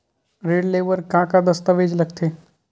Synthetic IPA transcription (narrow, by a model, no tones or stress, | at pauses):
ɾeɽleʋəɾkãkad̪əst̪əʋed͡ʑləɡt̪ʰe